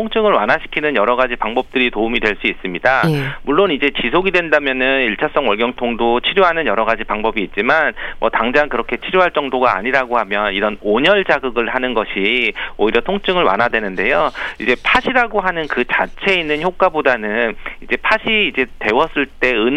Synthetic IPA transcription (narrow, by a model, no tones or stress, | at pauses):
oŋt͡ɕ͈ʰɯŋɯɭwa̰naɕʰi̥kʰinɯnjʌɾʌɡad͡ʑipaŋbʌp̚t͈ɯɾitoumidweɭs͈uis͈ɯmɲidamuɭːonid͡ʑe̞t͡ɕisʰoɡidwe̞ndamjʌnɯniɭt͡ɕʰas͈ʌŋwʌɭɡjʌŋtʰoŋdot͡ɕʰiɾjoɦanɯnjʌɾʌɡad͡ʑipaŋbʌbiːt̚t͡ɕ͈imanmʔʌ̰taŋd͡ʑaŋkɯɾʌkʰet͡ɕʰiɾjoɦaɭt͡ɕ͈ʌŋdoɡa̰ːɲiɾaɡohamjʌniɾʌnoɲʌɭt͡ɕaɡɯɡɯɭɦanɯnɡʌɕʰioiɾjʌtʰoŋt͡ɕ͈ɯŋɯɭwa̰nɦadwe̞nɯnde̞joid͡ʑe̞pʰaɕʰiɾaɡoɦanɯnkɯt͡ɕat͡ɕʰe̞inːɯnçjok͈abodanɯnid͡ʑe̞pʰaɕʰiːd͡ʑe̞te̞wʌs͈ɯɭt͈e̞ɯn